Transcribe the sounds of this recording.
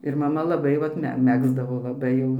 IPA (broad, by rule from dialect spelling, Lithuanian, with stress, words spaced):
ɪr mɐˈmɐ lˠɐˈbɐɪ ˈʋɐt ˈmʲɛ ˈmʲæːɡzdɐʋoː lˠɐˈbɐɪ jɛʊ